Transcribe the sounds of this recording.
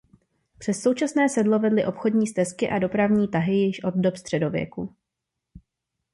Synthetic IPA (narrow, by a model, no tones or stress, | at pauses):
pr̥ɛsːo̞wt͡ʃasnɛːsɛdlo̞vɛdlɪʔo̞pxo̞dɲiːst̪ɛskɪʔado̞pɾavɲiːt̪aɦɪjɪʃʔo̞d̪̚dopst̪r̥ɛdo̞vjɛ̰ku